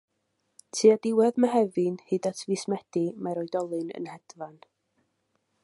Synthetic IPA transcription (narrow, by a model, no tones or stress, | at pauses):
tʰiːadɪwɛðməɦɛvɨnhɨdatʰvismɛd̥imaɾɔjdɔlˠɨnə̰nhɛd̥van